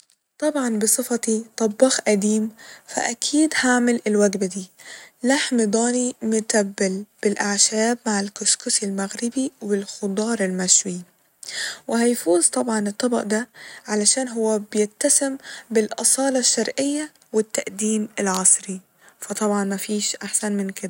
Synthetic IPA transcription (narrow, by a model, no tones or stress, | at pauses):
t̪ˤɑbʕɑnbɨsˤɨfɑt̪it̪ˤɑbːɑxʔad̪iːmfa̰ʔakʰiːd̪haʕmɪlɪlwaɡbad̪iːlaħmd̪ˤɑːnimʊt̪abːɪlb̥ɪlʔaʕʃaːbmaʕɪlkʊskʊsɪlmaɣɾɪbiwbɪlxʊd̪ˤɑːɾˤɪlmaʃwi | wɪɦajfuːzt̪ˤɑbʕɑnɨt̪ˤːɑbɑ̰ʔd̪aʕalaʃaːnɦʊwːabjɪt̪ːasɪmbɪlʔɑsˤɑːlɑʃːɑɾˤʔɪjːa | wɪt̪ːaʔd̪iːmɪlʕɑsˤɾi | fɑt̪ˤɑbʕɑnmafiːʃʔaħsanmɪnkɪd̪a